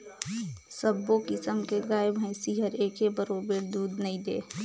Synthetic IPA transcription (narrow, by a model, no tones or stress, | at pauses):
səbːokɪsəmkeɡaːəbɦə̃siɦəɾeːkebəɾobeɾd̪uːd̪nɐĩd̪ḛː